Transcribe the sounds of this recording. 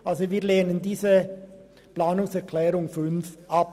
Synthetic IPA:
ʔalzoviːleːnəndiːzə | plaːnʊŋsɛʁkʰlɛːʁʊŋfʏnfʔap

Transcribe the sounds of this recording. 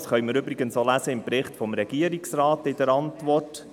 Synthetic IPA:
sχœʏməɾʏbɾɪɡənsolæsəɪmpɾɪχtfɔmɾɛɡ̥iəɾiksrɑːtɪdəɾɑntʋɔrt

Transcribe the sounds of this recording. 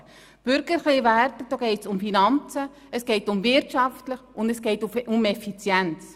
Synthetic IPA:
b̥ʏɾɡ̥əɾχliʋæɾtəd̥oːɡ̥ɛɪtsʊmfinɑnt͡sə | əsɡ̥eɪtʊmvɪɾtʃɑftləχʊndəsɡ̥ɛɪtuʔʊmɛfit͡sjɛnt͡s

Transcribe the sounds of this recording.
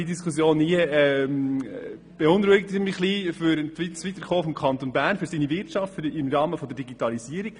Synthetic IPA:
idiskusjoːniəɛm | b̥ɛʊnɾuɪk̚tmɪχliːfʏɾtʋitt͡sʋitəɾχoːfɔmkʰɑnt̪onbæːɾnfʏɾsinivɪrtt͡ʃɑftfɾɪmɾɑːməfɔd̪əɾd̥iɡitɑlisiəɾiɡ̥

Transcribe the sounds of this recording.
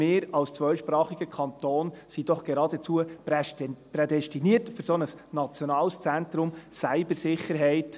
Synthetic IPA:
meːɾɑlst͡sʋœʏʃpɾɑːχiɡ̥əkʰɑnt̪oːnsid̥ɔχɡ̥eɾɑːdət͡suə | predɛstiniərtfʏɾsɔnəsnɑt͡sjɔnɑːlst͡sɛnt̪ɾʊmsæɪbəɾsɪχːəɾɦɛɪt

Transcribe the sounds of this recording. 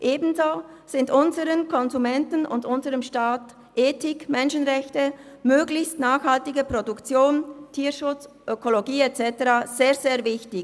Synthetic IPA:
ʔeːbn̩zoːz̥ɪndʔʊnzəʁənkʰɔnzumɛntən̩ʔʊ̰ndʊnzəʁəmʃtaːt | ʔeːtɪkmɛnʃənʁɛçtəmøːɡlɪçstnaːxhaltɪɡəpʁodukt͡sjoːntʰiːʃʊt͡sʔøkoloɡiːet͡sɛtəʁaːz̥eːɐzeːɐvɪçtɪ

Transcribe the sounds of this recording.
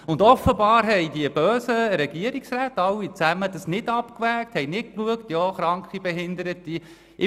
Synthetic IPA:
ʊndɔfəbɑːɾɦɛjdiəb̥øːsəɾɛɡ̥iəɾiksræːt̪ɑwːit͡sæməd̥əsnɪdɑpkvæːk̚thɛɪjnɪt̚kluəktjɑːχɾɑŋkʰχibɛɦɪnd̪əɾəti | ʔɪ

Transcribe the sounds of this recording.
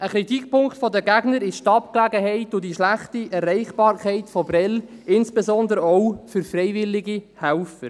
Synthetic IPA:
ʔəkɾitikpʊŋktfɔdəɡæɡnəɾɪʃtɑp̚klæɡəɦɛɪtːʊdiʃlæχtiɛrɛɪχb̥ɑːɾkʰɛɪtfɔbɾɛlɪnsb̥ezɔnd̪əɾəɔwfʏɾfrɛɪvɪlːɪɡihælfəɾ

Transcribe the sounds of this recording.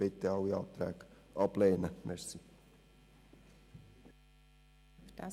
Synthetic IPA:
b̥ɪt̪əɑwiɑːt̪ɾæ̰ːk | ʔɑb̥leːnəmɛɾsi | fd̥ɑ

